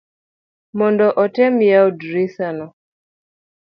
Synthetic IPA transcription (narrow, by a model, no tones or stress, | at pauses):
mɔndɔʔɔtɛmjaɔdɾisanɔ